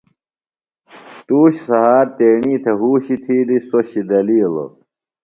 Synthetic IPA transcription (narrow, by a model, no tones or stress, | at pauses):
t̪uːɕsɐɦaːɾt̪eːɳiːt̪ʰeɦuːɕit̪ʰiːlisoɕid̪ɐliːl̰